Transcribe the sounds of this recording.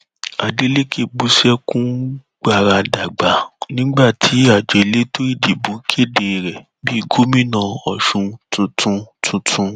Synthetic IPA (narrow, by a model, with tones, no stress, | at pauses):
a˨de˦le˦kʰe˦˨ɡ͡bu˧˦ʃɛ˦kũ˦ | ɡ͡ba˦˨ɾa˧da˨ɡ͡ba˨˦nĩ˦ɡ͡ba˦˨tʰi˨˦a˨d͡ʒɛ˨˧le˦to˦ɾi˦˨di˨bũ˨˦kʰe˦˨de˨ɾɛ˨ | bi˦˧˨ɡo˦mĩ˦nã˦˨ɔ˨ʃũ˧tũ˧tũ˧tʰũ˧tʰũ˧